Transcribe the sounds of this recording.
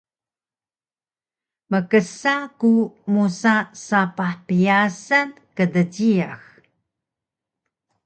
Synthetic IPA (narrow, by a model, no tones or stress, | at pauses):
məkəsakumusasapaħpijasan | kədəɟiax